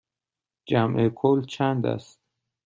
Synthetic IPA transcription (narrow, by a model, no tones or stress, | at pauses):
d͡ʒæmʔekʰolt͡ʃʰænd̪æ̰st̪̚